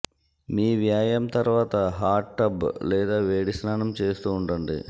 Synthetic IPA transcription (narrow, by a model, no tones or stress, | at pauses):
miːʋjaːjɐmt̪ɐɾuʋaːt̪ɐɦaːɾʈːɐblɛːd̪aːʋeːɽisnaːnɐmt͡ʃe̞ːst̪uːɳɖɐɳɖḭ